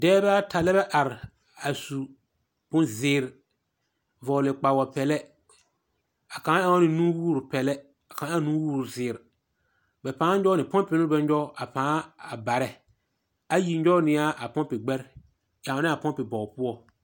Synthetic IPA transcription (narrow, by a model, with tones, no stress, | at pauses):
dɛː˦ba˦ta˨lɛ˦bɛ˦ʔa˨ɾɪ˨ | a˨su˨ | pʊ̃˦nzɪː˨˦˨ɾ | vɔ˨lɪ˨k͡pa˨wa˨pɛ˨lɛ˦ | a˨kã˦ja˦ŋ˦nɪ˨nũː˦wuː˦˨ɾʊ˨pɛ˨lɛ˦ | a˨kã˨˦a˦nu˦wuː˦˨ɾu˨zɪː˨ɾ | bɛ˨pãː˨˦ɲ˦d͡ʒɔ˦nɪ˨pɔ̃˦npɪ˨nʊ˦bɛ˦ɲ˦ɔ˦a˨pãː˦a˨ba˨ɾɛ˨ | a˦ji˨ɲ˦d͡ʒɔ˦nɪ˨a˦ʔa˨pɔ˦npɪ˨ɡ͡bɛ˦ɾ | ja˨˦nɪ˦a˨pɔ˦mpɪ˨bɔ˨pʊ˦ɔ˦